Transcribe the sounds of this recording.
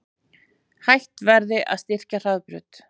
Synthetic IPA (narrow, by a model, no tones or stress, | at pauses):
hajht̪vɛɾðɪʔa̰ðst̪ɪr̥car̥aðpɾʏ̰ːt̪